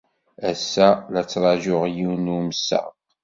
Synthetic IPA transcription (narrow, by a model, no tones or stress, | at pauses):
æsːælæt͡sːɾˤɑʒoʁjinuməsə̰ʁ